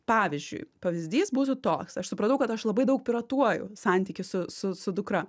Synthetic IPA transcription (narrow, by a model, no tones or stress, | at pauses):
pɑːʋʲɪzʲd͡ʒʲʊ̰ɪpɐʋʲɪzʲd̪ʲiːsbuːt̪ʊt̪oːksɐʃsʊpɾɐnt̪ɐʊkɐt̪ɐʃlˠɐbɐɪd̪ɐʊk̚pʲɪɾɐt̪uɔjʊ̰sɑnʲt̪ʲiːkʲɪsʊsʊsʊd̪ʊkɾɐ